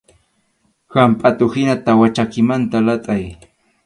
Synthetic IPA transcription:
hampʼat̪ʊhɪnat̪awat͡ʃakɪmant̪alat̪ʼaj

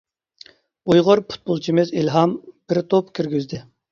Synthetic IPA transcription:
ujʁʊɾpʰu̥t̪̚bolˠt͡ʃʰimɪzilɦɑmb̥ɪɾt̪ʰopkʲʰyɾɡʲyzd̪ɪ

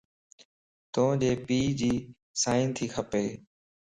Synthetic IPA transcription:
t̪õːd͡ʒeːpiːd͡ʑiː | saːɪnt̪ʰiːkʰəpeː

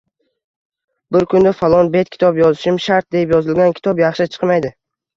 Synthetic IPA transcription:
bɪɾkʰʊnd̪afalˠɒnbe̞t̪̚kʰʲɪ̥t̪ʰɒpjɒzɪʃɪmʃaɾt̪̚d̪eɪpjɒzɪlɡʲankʲʰɪ̥t̪ʰɒpjɑχʃɪt͡ʃʰɨ̥qmajd̪ɪ

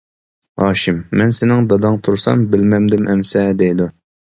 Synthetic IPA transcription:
ɑːʃɪmːɛnsɪnɪŋd̪ɑd̪ɑŋt̪ʰuɾsɑ̰mbɪlmɛmd̪ɪmʔɛmsɛd̪ejd̪u

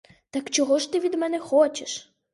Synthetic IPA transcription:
t̪ɐkt͡ʃɔɦɔʃt̪ɪʋʲid̪mɛnɛxɔt͡ʃeʃ

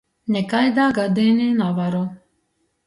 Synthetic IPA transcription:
nɛkajd̪aːɡad̪ɛninavaɾɔ

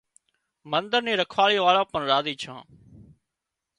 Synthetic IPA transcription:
mənd̪əɾniːɾəkʰʋaːɭiːʋaːɭãːpəɳɾaːziːt͡ʃʰã̰ː

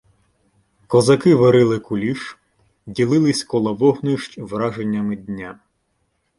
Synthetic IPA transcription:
kɔzɐkɪʋɐɾɪlˠɪkʊlʲiʃ | dʲilˠɪlˠɪsʲkɔlˠɐʋɔɦnɪʃt͡ʃʲʋrɑʒenʲːɐmɪdʲnʲa

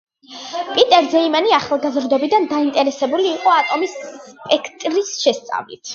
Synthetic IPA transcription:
pʼit̪ʼɛɾzɛimaniaχlˠɡazɾd̪ɔbid̪and̪aint̪ʼɛɾɛsɛbuliːqʼɔat̪ʼɔmisspʼɛkʰt̪ʼɾisʃɛst̪sʼa̰vlḭt̪ʰ

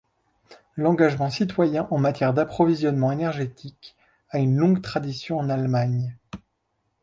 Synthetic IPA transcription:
lɑ̃ɡaʒmɑ̃sit̪wajɛ̃ʔɑ̃mat̪jɛʁd̪apχɔvizjɔnmɑ̃enɛʁʒet̪ʰik | aynlɔ̃ɡt̪χad̪isjɔ̃ɑ̃nalmaɲ

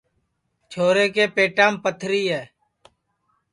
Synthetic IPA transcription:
t͡ʃʰoːɾeːkeːpeːʈãːmpət̪ʰɾiːɦɛː

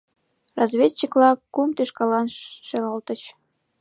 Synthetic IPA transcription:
rɑzβʲet͡ɕːiklɑkump̪iʃkɑlɑnʃeɣɑlt̪ə̆t͡ɕ

